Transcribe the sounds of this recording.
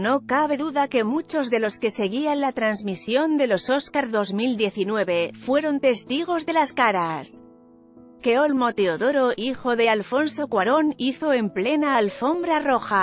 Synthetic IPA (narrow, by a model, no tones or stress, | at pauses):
no̞kaβe̞ðuðake̞mut͡ʃo̞zðe̞lo̞ske̞se̞ɣ̞ianlat̪ɾanzmisjo̞nd̪e̞lo̞so̞skaɾðo̞zmild̪je̞θinweβe̞fwe̞ɾo̞nt̪e̞st̪iɣ̞o̞zðe̞laskaɾas | ke̞olmo̞t̪e̞oðo̞ɾo̞ʔixo̞ðe̞alfo̞nso̞kwaɾo̞niθo̞e̞mple̞naːlfo̞mbɾaro̞xa